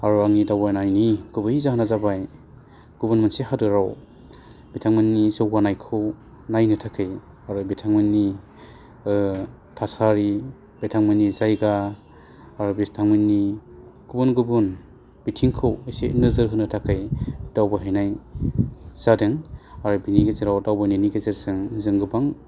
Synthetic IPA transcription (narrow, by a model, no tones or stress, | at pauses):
aɾuaŋnidawbanajniɡ̥ubɯjzahnazabaj | ɡ̥ubunmɯnseɦadɯɾaw | bitʰaŋmɯnːizɯwɡanajkʰɯw | najnɯtʰakʰɯj | aɾubetʰaŋmɯnːi | tʰasaɾi | betʰaŋmɯnizajɡaː | ɾubitʰaŋmɯnːiɡ̥ubunɡubun | b̥itʰiŋkʰɯwisḛnɯzɯɾɦɯnɯtʰakʰɯjd̥awbɯɦajnaj | z̥adɯŋaɾubiniɡezeɾawdawbɯniniɡezeɾzɯŋzɯŋɡɯbaŋ